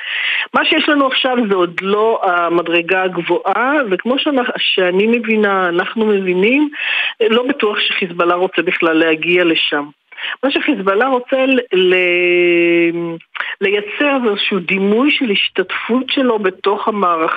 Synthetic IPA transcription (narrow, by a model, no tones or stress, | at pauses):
maʃejeʃlanuaχʃavzeodlo̞amadʁe̞ɡaːɡvoʔavekmo̞ʃeaʃeanime̞vinaːnaχnume̞vinimlo̞batuaχʃeχisbalaʁo̞t͡sebiχlalːehaɡiale̞ʃam | maʃeχizbalaʁo̞t͡sele | le̞jat͡se̞ʁvezeʃuud̪imujʃeliʃtatfutʃe̞lo̞be̞to̞χhamaːʁaχ